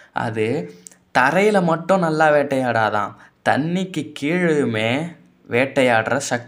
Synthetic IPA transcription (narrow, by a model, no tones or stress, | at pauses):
ʔɐ̰ðɯ | t̪ɐɾɐjɪlɐmɐʈːʊ̃nɐlːaːʋeːʈːɐjaːɽaːðã̰ː | t̪ɐɳːɪkːɯkiːɻɯɯmeː | ʋeːʈːɐjaːɽrɐsɐk̚t̪